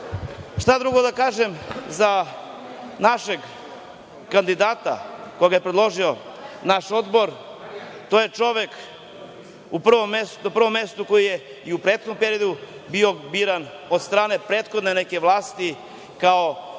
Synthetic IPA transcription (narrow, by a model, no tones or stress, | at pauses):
ʃt̪ad̪ɾuɡod̪akaːʒemza | naʃeɡ | kand̪id̪aːt̪a̰ko̞jeɡajepɾed̪lˠo̞ʒio̞naʃo̞d̪boɾ | t̪ojet͡ʃo̞ʋek | upr̩ʋomesnapr̩ʋo̞mːe̞st̪uko̞jije | iupɾet̪xod̪nmpe̞ɾijod̪ubio̞biɾan | od̪st̪ɾaːne̞pɾet̪xod̪ne̞neke̞ʋlˠaːst̪i | kao